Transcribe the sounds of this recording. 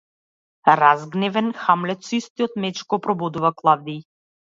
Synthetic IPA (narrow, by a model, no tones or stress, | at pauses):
ɾazɡnɛvɛnxamlɛt̪sist̪iɔt̪mɛt͡ʃkɔpɾɔbɔd̪uvaklˠavd̪i